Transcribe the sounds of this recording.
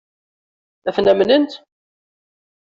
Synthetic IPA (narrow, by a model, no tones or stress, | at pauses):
æθnæmnənt̪